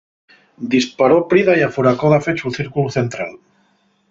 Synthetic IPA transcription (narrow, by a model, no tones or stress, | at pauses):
d̪ispaɾopɾiðajafuɾakoðafet͡ʃuθiɾkuwθent̪ɾal